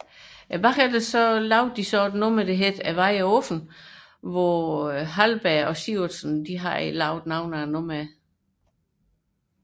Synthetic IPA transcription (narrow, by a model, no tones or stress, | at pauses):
æb̥ɑkæd̥əsɒlɑʊd̥̚disɒd̥nomæd̥eɦed̥æʋɑɪæɔfn̩ | ʋɒɦælb̥æɒsisnd̥iɦɑ̈lɑ̈ʊd̥nɑ̈ʊnænomæ